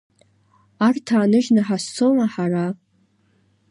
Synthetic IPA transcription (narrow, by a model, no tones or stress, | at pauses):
artʰaːnɨʒnɨħasːomaħara